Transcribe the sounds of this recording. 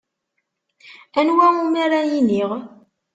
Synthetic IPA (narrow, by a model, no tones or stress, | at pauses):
ænwæŋumæɾajiniʁ